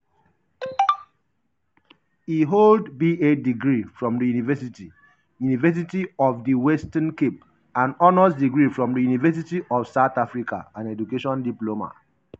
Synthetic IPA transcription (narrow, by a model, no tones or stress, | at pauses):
iɦoldbiediɡɹifɹɔ̃mdəjunivɛsiti | junivɛs̬itiɔvdiwɛstə̃nkep̚ | ãnɔnəsdiɡɹifɹɔ̃mdəjunivɛs̬itiʔɔfsaʊtafɹika̰ãnɛd͡ʒukeʃɔ̃ndiploma̰